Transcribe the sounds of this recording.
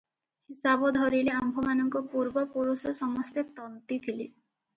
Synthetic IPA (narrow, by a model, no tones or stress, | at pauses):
hisabɔd̪ʱɔɾileambʱɔmanɔŋkɔpuɾbɔpuɾusɔsɔmɔst̪et̪ɔnt̪it̪ʰili